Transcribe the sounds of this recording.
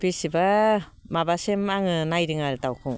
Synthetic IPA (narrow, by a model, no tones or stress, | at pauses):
pisiba | mabasemaŋɯnajɾɯŋaɾtawkʰɯŋ